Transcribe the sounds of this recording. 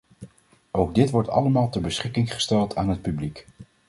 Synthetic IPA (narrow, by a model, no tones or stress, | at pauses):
owɡ̚dɪtʋɔɹtɑ̰ləmaːlˠtəɹbəsχɪkɪŋχə̥stɛlˠtʰaːnɦət̚pyblik